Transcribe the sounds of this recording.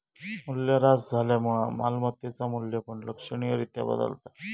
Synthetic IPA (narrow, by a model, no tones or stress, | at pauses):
muljaɾat͡sd͡zʱaljam̤uɭamalmət̪jet͡samulːjapəɳləkʂəɳijəɾit̪ja̰bə̰d̪ə̰lt̪a